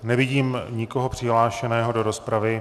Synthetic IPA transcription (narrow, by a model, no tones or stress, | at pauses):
nɛvɪɟiːmɲɪko̞ɦo̞pr̝̥ɪɦlaːʃɛnɛːɦo̞do̞ɾo̞spɾavɪ